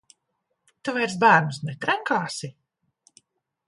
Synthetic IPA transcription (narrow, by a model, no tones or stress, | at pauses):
t̪uvajɾs̬bæːɾnusnɛt̪ɾaŋkaːsi